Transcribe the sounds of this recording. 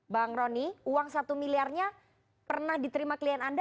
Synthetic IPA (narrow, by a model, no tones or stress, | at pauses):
baŋɾɔniuwaŋsat̪umiliarɲa | pərnahdit̪əɾimakliɛnand